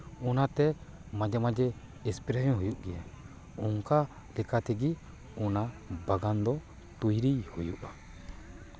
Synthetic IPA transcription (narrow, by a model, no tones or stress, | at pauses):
ɔnat̪ɛmad͡ʒɛmad͡ʒɛː | spiɾesɔ̃ɦujuʔɡɛja | uŋka | lɛkat̪ɛɡi | ɔnabaɡand̪ɔ | t̪ujɾijhujuʔa